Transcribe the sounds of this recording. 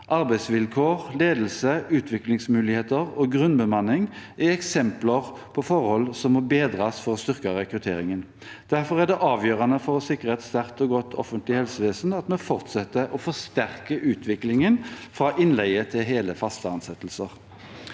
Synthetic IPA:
ʔɑʁbæɪsʋɪlkʰoːʁleːd̪əl̩səʉːt̪ʰʋɪklɪŋsmʉːlɪheːt̪əʁɔɡʁʉnbəmɑnɪŋæɛksɛmpləʁ | pʰɔfɔʁhɔlsɔmːɔbeːd̪ʁɑsfɔʁɔst̪ʏʁkəʁɛkʁʉt̪ʰeːʁɪŋən | d̪̥æʁfɔʁæd̪ɛʔɑːʋjøːʁɑnəfɔʁɔsɪkːʁəɛt̪st̪æʁt̪ɔɡɔt̪ːʰɔ̰fənt̪lɪhɛlsəʋeːsn̩ɑt̪mɛfɔʁt̪sɛt̪ːəʔɔfɔst̪æʁkəʔʉːt̪ʰʋɪklɪŋənfʁɑːʔɪnlæɪət̪ʰɪlɦeːləfɑst̪əɑnsɛt̪ːl̩səʁ

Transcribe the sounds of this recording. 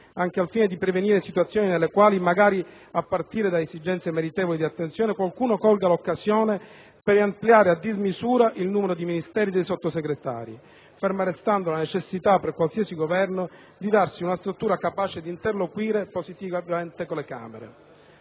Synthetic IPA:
aŋkealfiːned̪ipɾeveniːɾesit̪wat̪sːjoːninelːekwaːlimaɡaːɾi | apːart̪iːɾed̪aezid͡ʒɛnt̪semeɾit̪ɛːvolid̪iat̪ːent̪sjɔːnekwalkuːnokɔlɡalokːazjɔːne | peɾampljaːɾead̪ːizmizuːɾaʔilnuːmeɾod̪iminist̪ɛːɾid̪ejsot̪ːoseɡɾet̪a̰ːɾi | feɾmarest̪and̪olanet͡ʃesːit̪apːerkwalsiːasiɡovɛrno | d̪id̪arsiunast̪ɾut̪ːuːɾakapaːt͡ʃed̪iːnt̪erlokwiːɾeposit̪ivavament̪ekolːeka̰ːmḛɾḛ

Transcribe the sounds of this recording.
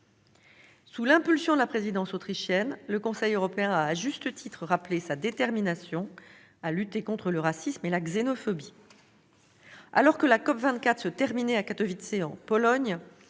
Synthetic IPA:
sulɛ̃pylsjɔ̃d̪əlapχezid̪ɑ̃sot̪χiʃjɛnləkɔ̃sɛjøʁɔpeɛ̃aːʒyst̪ət̪ʰit̪χəʁaplesad̪et̪ɛʁminasjɔ̃ | alyt̪ekɔ̃t̪χələʁasismelaɡzenɔfɔbi | a̰lɔʁkəlakɔpvɛ̃t̪kat̪χsət̪ɛʁminɛakat̪ɔvit̪seɑ̃pɔlɔɲ

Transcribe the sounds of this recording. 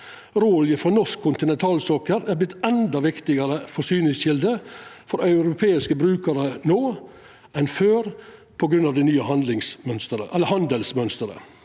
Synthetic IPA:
ɾoːljəfɾɑnɔʂkʰːʊnt̪ɪnɛnt̪ʰɑːlsoːkəɾæːblɪt̪ːɛnd̪ɑʋɪkt̪ɪɡəɾəfɔʂyːnɪŋsçɪld̪əfɔɾɑʉɾʊpʰeːɪskəbɾʉːkəɾənoː | ʔɛnføːɾ | pʰɔɡɾʉnɑʋd̪ɪnyːəhɑnd̪lɪŋsmœnst̪əɾə̰ʔɛlːəhɑnd̪əlsmœnst̪əɾə̰

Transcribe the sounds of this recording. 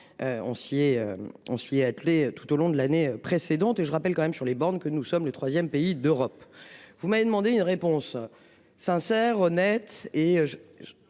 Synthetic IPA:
øɔ̰̃siɛø̰ɔ̃siɛat̪let̪u̥t̪olɔ̃d̪əlaneøpχesed̪ɑ̃t̪eʒəʁapɛlkɑ̃mɛmsyʁlebɑ̃ʁnkənusɔmlət̪χwazjɛmpeid̪øʁɔpvumaved̪əmɑ̃d̪eynʁepɔ̃s | sɛ̃sɛʁɔnɛt̪eøʒ

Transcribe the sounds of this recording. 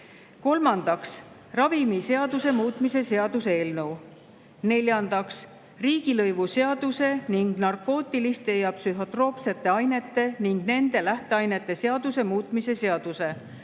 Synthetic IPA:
ko̞lmɑnd̪̥ɑks | rɑvimise̞ɑd̪̥use̞muːt̪mise̞se̞ɑd̪̥useːlnɤw | ne̞lʲjɑnd̪ɑks | riːɡ̥ilɤjvuse̞ɑd̪̥use̞niŋɡ̥nɑrkːo̞ːt̪ːˑilist̪ːe̞jɑpsyɦo̞t̪ro̞ːpse̞t̪ːˑe̞ɑjne̞t̪ːˑe̞niŋɡ̥ne̞nd̪̥e̞læht̪e̞ɑjne̞t̪ˑːe̞se̞ɑd̪̥use̞muːt̪ˑmise̞se̞ɑd̪̥use̞

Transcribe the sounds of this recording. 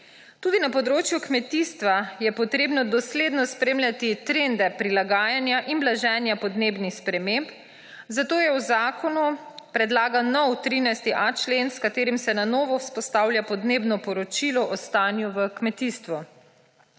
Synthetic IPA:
t̪uːd̪inapɔd̪ɾoːt͡ʃjukmɛt̪ist̪ʋajɛpɔt̪ɾeːbnɔd̪ɔsleːd̪nɔspɾeːmlʲjat̪it̪ɾend̪ɛpɾilaɡaːjanjaʔinblaʒɛːnjapɔd̪neːbnixspɾɛmemp | zat̪oːjɛwzaːkɔnu | pɾɛd̪laːɡanɔwt̪ɾinajst̪iʔat͡ʃlenskat̪eːɾimsɛnanoːʋɔspɔst̪aːwlʲjapɔd̪neːbnɔpɔɾɔt͡ʃilɔʔɔst̪aːnjuʋəkmɛt̪ist̪ʋu

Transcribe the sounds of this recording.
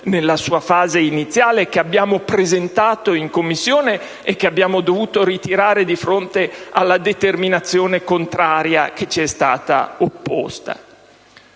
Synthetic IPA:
nelːasuːafaːzeinit̪sːjaːlekeabːjaːmopɾezent̪aːt̪oiŋkomːisːjoːneː | kːeabːjaːmod̪ovuːt̪oɾit̪iɾaːɾed̪ifɾont̪ealːad̪et̪erminat̪sːjoːnekont̪ɾaːɾjaket͡ʃiɛst̪aːt̪a̰opːo̰st̪a̰

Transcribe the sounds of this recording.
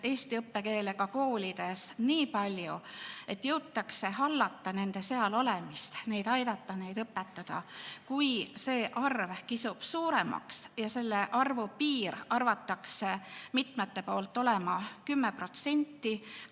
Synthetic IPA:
e̞ːsʲt̪iɤpːe̞ke̞ːle̞kɑko̞ːlʲid̪̥e̞sniːpɑlʲjue̞t̪ːjɤwt̪ːɑkse̞ɦɑlːɑt̪ːɑne̞nd̪e̞se̞ɑlo̞lemist̪ne̞jd̪̥ɑjd̪ɑt̪ːɑne̞jd̪ɤpːet̪ːɑd̪̥ɑ̰kujse̞ːʔɑrvkisub̥suːɾe̞mɑ̰ksjɑse̞lːe̞ʔɑrvupiːɾɑrvɑt̪ːɑksemit̪met̪ːe̞po̞ːlt̪ːˑo̞lemɑkymːepro̞t̪se̞nʲt̪ːˑi

